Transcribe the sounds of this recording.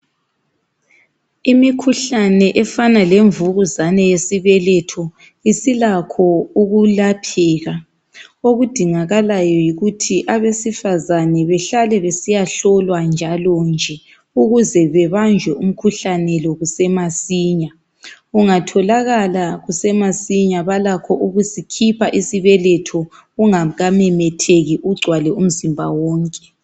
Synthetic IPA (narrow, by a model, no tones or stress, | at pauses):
imikʰuɬanɛʔɛfanaleɱvuɣuzanɛjesiβɛlɛtʰɔ | isilakʰɔuɣulapʰɛːɣa | oɣud̥ʱiŋaɣalajɔjiɣutʰiʔaβesifazanɛβɛɬalɛβesijaɬɔlwand͡ʒʱalɔnd͡ʒʱɛ | uɣuzɛβɛβand͡ʒʱwɛʔum̩kʰuɬanɛlɔɣusɛmasiːɲa | ɣuŋatʰɔlaɣalaɣusɛmasiɲaβalakʰɔʔuɣusikʰipʰaʔisiβɛlɛtʰɔ | uŋaɣamɛmɛtʰeɣiʔuɡ͡ǀʱwalɛum̩zimbʱa̰wɔːŋkʼɛ̥